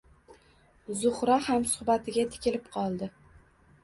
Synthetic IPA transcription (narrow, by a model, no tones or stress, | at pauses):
zʊχɾahamsʊ̥χbat̪ʰɪɡʲat̪ʰɪ̥kʲʰɪlɪpqʰɒlˠd̪ɪ